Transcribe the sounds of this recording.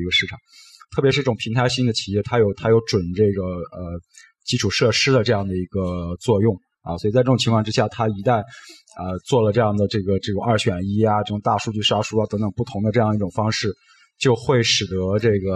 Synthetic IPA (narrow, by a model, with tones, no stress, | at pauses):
i˧˥ɡə˧ʂɻ̩˥˩ʈ͡ʂʰɑ˨˩˦ŋ | t̪ʰɤ˥˩pjɛ˧˥ʂɻ̩˥˧˥ʈ͡ʂʊ˨˩pʰi˧˥ŋt̪ʰa˧˥ɪɕi˥ŋd̪ə˨t͡ɕʰi˨˩jɛ˥˩t̪ʰa˥jo˨˩ʊt̪ʰa˥jo˧˥ʊʈ͡ʂwə˨˩nʈ͡ʂɤ˥˩ɡə˩ə˧ | t͡ɕi˥ʈ͡ʂʰu˨˩ʂɤ˥˩ʂɻ̩˥d̪ə˨ʈ͡ʂɤ˥˧jɑ˥˩ŋd̪ə˩i˧˥ɡə˧t͡swɔ˥˧jʊ˥˩ŋ | ɐ̰˧swɔ˧˥i˨˩t͡sa˥˧ʈ͡ʂɤ˥˩˨ŋt͡ɕʰŋkʰɑ˥˧ʈ͡ʂɻ̩˥ɕja˥˩t̪ʰa˥i˧˥t̪a˥˧n | ə˧t͡swɔ˥˩lə˩ʈ͡ʂɤ˥˧jɑ˥˩ŋd̪ə˩ʈ͡ʂɤ˥˩ɡə˩ʈ͡ʂɤ˥˩ʈ͡ʂʊ˨˩ŋɐ˞˥˩ɕɥɛ˨˩ni˥a˧ʈ͡ʂɤ˥˩ʈ͡ʂʊ˨˩ŋt̪a˥˧ʂu˥˧t͡ɕy˥˩ʂa˥ʂu˥a˧t̪ɤ˧˥ŋt̪ə˨˩ŋpu˥˩t̪ʰʊ˧˥ŋd̪ə˧ʈ͡ʂɤ˥˧jŋ˧i˥ʈ͡ʂʊ˨˩ŋfɑ˥ŋʂɻ̩˥˩ | t͡ɕjo˥˧ʊxwe˥˩ɪʂɻ̩˨˩t̪ɤ˧˥ʈ͡ʂɤ˥˩ɡə˩